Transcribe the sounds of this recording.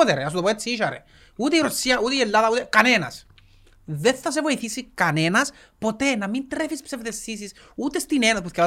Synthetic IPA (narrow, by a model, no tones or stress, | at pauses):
oðeɾas̬ut̪opoet̪siʃaɾḛ | ut̪eiɾosːiaʔut̪ejelːaðaut̪ekanena̰s | ðeθas̬evoiθisikanenas | pot̪enamint̪ɾefispsevðesːis̬is | ut̪est̪inenasposkea